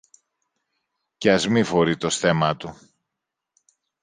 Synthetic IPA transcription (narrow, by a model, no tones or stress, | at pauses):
ceɐzmifo̞ɾit̪o̞sθe̞mɐt̪u